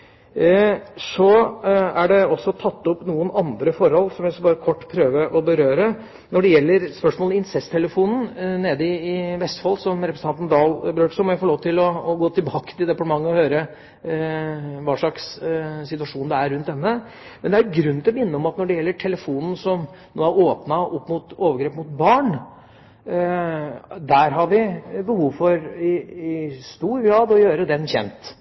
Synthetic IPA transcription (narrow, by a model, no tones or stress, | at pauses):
sɔæɖɛɔsːɔt̪ʰɑt̪ːɔpnuːənɑnd̪ɾəfɔɾhɔlːsɔmjæsɔbɑːɾəkʰɔʈːpʰɾøːʋəʔɔbəɾøːɾə | nɔɖɛjɛlːəɾspœʂmoːlɪnsɛst̪ʰɛləfuːnn̩neːd̪əɪɪʋɛst̪fɑlsɔmɾɛpɾəsnɑnt̪n̩d̪ɑːlbɾøːʈsɔmɔjæɪfɔːɭoːʋət̪ɪlɔːɡoːt̪ʰɪlbɑːkət̪ɪld̪ɛpɑʈəmɑŋːəɔhøːɾə | ʋɑːʂɭɑkssɪt̪ʉʋɑʂuːnd̪ɛæɾːʉnt̪̚d̪ɛnːə | mɛnd̪ɛæɾɡɾʉnːɪlɔmɪnːəɔmɑt̪nɔɖɛjɛlːəʈʰɛləfuːnn̩sɔm | noːæɾoːpnɑɔpːmʊt̪oːʋəɾɡɾeːpmʊt̪̚bɑːɳ | d̪æɾɦɑɾʋɪbəhuːʋfɔɾɪɪst̪uːɾɡɾɑːd̪ɔjøːɾəd̪ɛnçɛ̰nt̪